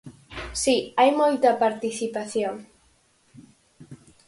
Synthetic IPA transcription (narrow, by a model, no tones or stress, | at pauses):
siajmojt̪apaɾt̪iθipaθjoŋ